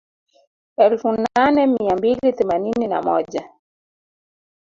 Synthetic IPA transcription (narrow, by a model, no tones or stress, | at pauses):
ɛlfunanɛmiambilit̪ɪmaninina̰mɔ̰d͡ʒa